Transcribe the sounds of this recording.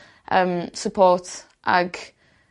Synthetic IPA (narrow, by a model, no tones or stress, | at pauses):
ʔəmsəpʰɔːˑt | ʔəɡ